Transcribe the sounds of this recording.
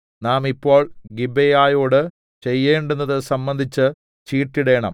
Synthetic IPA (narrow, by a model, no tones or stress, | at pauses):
naːmipːo̞ːɭɡibejaːjo̞ːɽɨ | t͡ɕe̞jːeːɳɖunːɐðɨsɐmbɐnd̪ʱit͡ɕːɨ | t͡ɕiːʈːiɽe̞ːɳɐ̰m